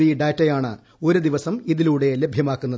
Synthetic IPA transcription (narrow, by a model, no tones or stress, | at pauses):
iɖaːtːɐjaːɳɨ̰ | o̞ɾud̪iʋɐsɐmiðiluːɽe̞le̞bʱjɐmaːkːunːɐð